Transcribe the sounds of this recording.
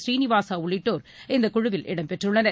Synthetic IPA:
sɾiːnɪʋaːsaːʊɭɪʈːoːɾ | ɪnd̪ɐkʊɻʊʋɪlʔɪ̰ɽɐmpɛʈrɯɭːɐnɐ

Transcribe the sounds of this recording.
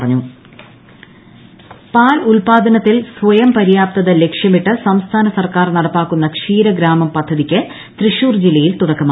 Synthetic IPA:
ɐrɐɲːu | paːlulpaːd̪ʱɐnɐt̪ːilsʋɐjɐmpɐɾijaːp̚t̪ɐðɐle̞kʂjɐmiʈːɨsɐmst̪ʰaːnɐsɐrkaːrnɐɽɐpːaːkːunːɐkʂiːɾɐɡɾaːmɐmpɐd̪ʱːɐðikʲːɨ | t̪riʂuːrd͡ʑilːɐjilt̪uɽɐkːɐma

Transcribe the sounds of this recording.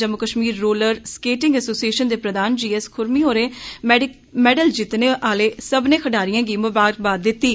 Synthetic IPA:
d͡ʒəmːʊkəʃmiːɾːoːləɾskeːʈɪ̃ŋɡəsoːsieːʃənd̪eːpɾəd̪aːnd͡ʒiːɛskʰʊɾmiːɦoːɾeː | mɛːɖəld͡ʒɪt̪neːʔaːleːsəbnẽːkʰəɖaːɾɪjãːɡiːməbaːɾək̚baːd̪̚ːɪt̪ːiː

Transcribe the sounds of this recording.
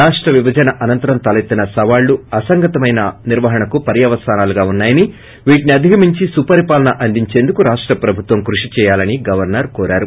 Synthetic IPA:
aːʂʈɾɐʋibɐd͡ʒɐnɐʔɐnɐnt̪ɐɾɐmt̪ɐlet̪ːinɐsɐʋaːɭːuɐsɐŋɡɐt̪ɐmɐjnɐniɾʋɐɦɐɳɐkupɐɾjɐʋɐst̪ʰaːnaːluɡaːunːaːjɐni | ʋiːʈiniɐd̪ʱiɡɐmiɲt͡ʃisupɐɾipaːlɐnɐʔɐnd̪iɲt͡ʃeːnd̪ukuɾaːʂʈɾɐpɾɐbʱut̪ʋɐmkɾuʂit͡ʃɛːjaːlɐniɡɐʋɐɾnɐɾkɔːɾa̰ːɾu

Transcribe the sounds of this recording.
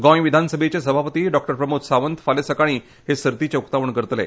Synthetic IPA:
ɡɔ̃jʋid̪ʱansəbʱet͡ɕesəbʱapət̪iːɖɔk̚ʈəɾpɾəmut̪saʋənt̪falesəkaɽ̃iː | ɦesəɾt̪it͡ɕeukt̪aʋəɳkəɾt̪lḛ

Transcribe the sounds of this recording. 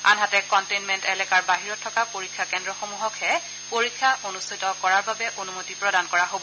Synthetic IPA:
a̰nɦatɛkɔntenmɛntɛlɛkaɹbaɦiɹɔtʰːɔkapoɹikʰːakɛndɹɔxomuɦɔkhɛ | poɹikʰːaʔonustʰitɔkɔɹaɹbabɛʔonumotipɹɔdankɔɹaɦobɔ

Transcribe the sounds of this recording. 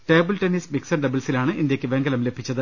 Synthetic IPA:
ʈe̞ːbɨlʈenismiksɐɳɖɐbilsilaːɳɨʔind̪jeɐkʲːɨʋe̞ŋɡɐlɐmlebʱit͡ɕːɐðɨ

